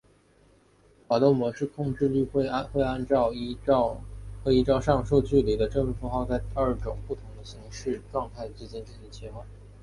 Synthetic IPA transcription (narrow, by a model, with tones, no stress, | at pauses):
xa˨˩t̪o˥˩ʊmwɔ˧˥ʂɻ̩˥˧kʰʊ˥˧ŋʈ͡ʂɻ̩˥˧ly˥˧xe˥˩˥xwe˥˧ɪa˥nʈ͡ʂɑ˥˧ʊ˥˩xɤ˧˥i˧˥ʈ͡ʂɑ˥˧ʊʂɑ˥˧ŋʂo˥˧ʊt͡ɕy˥˩li˨˧˥d̪ə˧ʈ͡ʂɤ˥˩ŋ˥fu˧˥xɑ˥˧ʊt͡sa˥˧ɪt̪i˥ə˞˥˩ʈ͡ʂʊ˨˩ŋpu˥˩t̪ʰʊ˧˥ŋd̪ə˧ɕi˧˥ŋʂɻ̩˥˧ʈ͡ʂwɑ˥˧ŋk̪ʰa˥˩ɪt͡sɹ̩˥˩t͡ɕɛ˥˧nʈ͡ʂ̩˥˩t͡ɕi˥˩t͡ɕʰɛ˧˥xwa˥˩n